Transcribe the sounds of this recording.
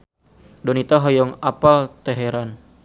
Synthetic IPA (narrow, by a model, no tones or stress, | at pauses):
dɔnit̪aɦɔjɔŋapalt̪ɛɦeɾan